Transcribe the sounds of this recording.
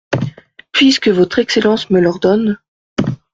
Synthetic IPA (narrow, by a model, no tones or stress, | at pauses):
pɥiskəvɔt̪χɛkselɑ̃sməlɔʁd̪ɔn